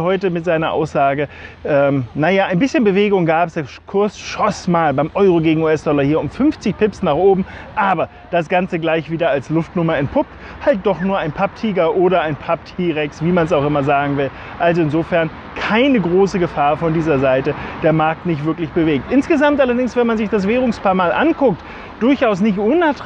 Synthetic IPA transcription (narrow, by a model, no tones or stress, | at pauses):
hɔʏtəmɪtz̥aɪnɐʔa̰ʊsz̥aːɡəʔɛːmnajaːaɪnbɪsçənbəveːɡʊŋɡaːpəsd̥akʰʊɐsʃɔsmaːlbaɪmʔɔʏʁoɡeːɡŋ̩uːɛsd̥ɔlɐhiːɐʊmfʏnft͡sɪçpʰɪpsnaːχʔoːbm̩ʔaːbɐ | d̥asɡ̥ant͡səɡlaɪçv̥iːdɐalslʊftnʊmɐɛnt̚pʰʊp̚t | halt̚d̥ɔχnuːɐaɪnpʰap̚tʰiːɡɐʔoːɾɐaɪnpʰap̚tʰiːʁɛksv̥iːmans̬aʊxʔɪmɐzaːɡŋ̩vɪl | ʔalzoɪnzoːfɛɐn | kʰaɪnəɡʁoːsəɡəfaːɐfɔndiːzɐzaɪtəd̥eːɐmaɐk̚tnɪçtv̥ɪɐklɪçb̥əveːk̚tʔɪnsɡ̥əzamtʔalɐdɪŋsv̥ɛnmanzɪçd̥as̬v̥ɛːʁ̞ʊŋspaːɐmaːlʔa̰nkʰʊk̚t | d̥ʊɐçʔaʊs̬nɪçtʔʊnat